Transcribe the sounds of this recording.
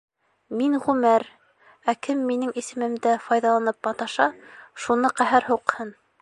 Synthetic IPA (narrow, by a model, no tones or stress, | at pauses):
miŋʁʉmæɾ | ækɘmːinɘŋisɘ̆mɘ̆md̪æfɑjðɑlˠɑnɤp̚ːɑt̪ɑʃɑʃunɤqæɦæɾhuqhɤn